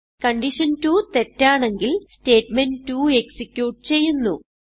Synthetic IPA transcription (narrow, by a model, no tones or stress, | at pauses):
kɐɳɖiʂɐntut̪e̞tːaːɳe̞ŋɡilste̞ːtmentuːe̞ksikʲːjuːʈ̚t͡ɕe̞jːunːṵ